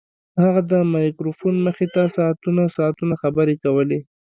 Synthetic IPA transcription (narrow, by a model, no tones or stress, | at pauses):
haɣad̪əmɑjkɾofunməxet̪asɑːt̪unasɑːt̪unaxabəɾekawəle